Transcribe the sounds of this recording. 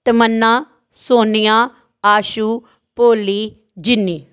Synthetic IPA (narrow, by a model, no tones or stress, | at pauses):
t̪əmənːãː | soːnɪjãː | aːʃuː | poːliː | d͡ʒɪnːiː